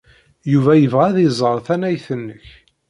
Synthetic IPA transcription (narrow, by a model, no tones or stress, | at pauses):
juvæjəvʁæðizˤəɾˤθænæjθənːəç